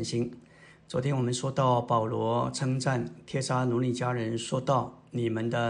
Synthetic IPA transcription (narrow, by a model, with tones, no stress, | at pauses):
nɕi˥n | t͡swɔ˧˥t̪ʰjɛ˥nwɔ˨˩mə˦nʂwɔ˥t̪ɑ˥˩ʊpɑ˨˩ʊlwɔ˧˥ʈ͡ʂʰɤ˥ŋʈ͡ʂa˥˩nt̪ʰjɛ˥ʂa˥nu˧˥li˥˩t͡ɕja˥ɻə˧˦˥nʂwɔ˥t̪ɑ˥˩ʊni˨˩mə˦nd̪ə˧